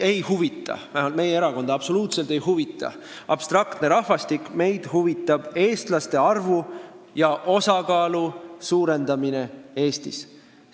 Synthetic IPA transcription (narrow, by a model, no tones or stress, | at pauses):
e̞jhuvit̪ˑːɑ̰mæolme̞jeeɾɑko̞nd̪ɑɑb̥so̞luːt̪se̞lt̪e̞jɦuvit̪ːˑɑ̰ | ɑ̰b̥st̪rɑkt̪ne̞ɾɑhvɑst̪ikːˑme̞jd̪̥huvit̪ːˑɑb̥e̞ːst̪lɑst̪e̞ɑrvu | jɑʔo̞sɑkɑːlusuːɾe̞nd̪̥ɑmine̞e̞ːst̪is